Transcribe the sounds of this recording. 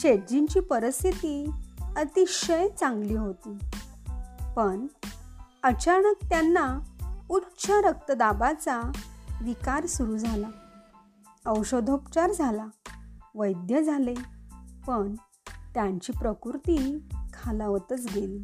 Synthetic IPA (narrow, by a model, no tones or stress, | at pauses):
ɕed͡ʑiɲt͡ɕiːpəɾəst̪ʰit̪iət̪iɕəjt͡sãŋɡliːɦot̪iː | pəɳ | ət͡ɕaɳək̚t̪janːautːɕʰəɾək̚t̪əd̪abat͡saʋikaɾsuɾud͡zʱala | əwɕod̪ʱopt͡ɕaɾd͡zʱalaʋəjd̪jəd͡zʱalepəɳ | t̪jaɲt͡ɕiːpɾəkuɾt̪ikʰalaʋət̪ət͡sɡel